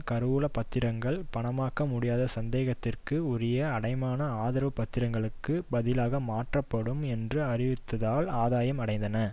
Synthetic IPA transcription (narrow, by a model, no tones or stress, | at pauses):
kɐɾɯuːlɐpɐt̪ːɪɾɐŋɡɐɭpɐɳɐmaːkːɐmʊɽɪjaːðɐsɐnd̪eːɣɐt̪ːɪrkɯɔɾɪjɐːɽɐɪmaːnɐaːðɪɾɐʋɯpːɐt̪ːɪɾɐŋɡɐɭɯkːɯbɐðɪlaːɣɐmaːʈrɐpːɐɽɯmɛndrɯɐrɪʋɪt̪ːɐðaːlaːðaːjɐmɐɽɐɪnd̪ɐnɐ